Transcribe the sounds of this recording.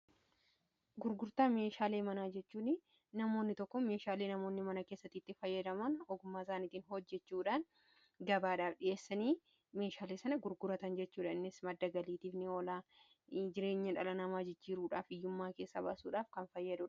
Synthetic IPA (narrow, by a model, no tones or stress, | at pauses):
ɡʊɾɡʊɾt̪aːme̞ːʃaːleːmɐnaːd͡ʒɛt͡ʃːuːnɪ | nɐmo̞ːnːɪt̪ɔkːɔmeːʃaːleːnɐmo̞ːnːɪmɐnɐke̞ːsːɐt̪ːiːt̪ːɪfɐjːɐd̪ɐmɐnɔɡʊmːaːɪsaːniːt̪iːnɦɔd͡ʒːɛt͡ʃːuːᶑaːn | ɡɐbaːᶑaːfᶑɪʔe̞ːsːɐniː | me̞ːʃaːleːsɐnɐɡʊɾɡʊɾɐt̪ɐnd͡ʒɛt͡ʃːuːᶑɐɪnːɪsmɐd̪ːɐɡɐliːt̪iːfnɪɔlaː | d͡ʒɪɾe̞ːɲːɐᶑɐlɐnɐmaːd͡ʒɪd͡ʒːiːɾuːᶑaːfɪjːʊmːaːke̞ːsːɐba̰ːsuːᶑaːfkɐnfɐjːɐd̪ʊᶑ